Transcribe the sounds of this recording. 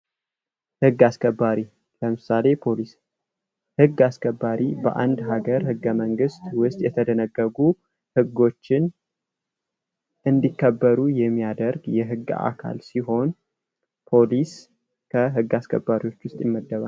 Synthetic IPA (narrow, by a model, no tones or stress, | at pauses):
hɨɡːaskʰəbːaɾi | ləmɨsale̞pʰolis | hɨɡːaskʰəbːaɾibə̰ʔand̪ɦaɡəɾhɨɡːəməŋɡɨst̪wʊst̪ʼjɛt̪ʰəd̪ənəɡːəɡu | hɨɡːo̞t͡ʃːɪn | ʔɨnd̪ikːəbːəɾujɛmːijad̪əɾɡjɛɦɨɡːa̰kʰa̰lsiɦo̞n | pʰo̞lis | kʰəɦɨɡːaskʰə̰bːaɾiwo̞t͡ʃːwʊst̪ʼjɛmːəd̪ːəβa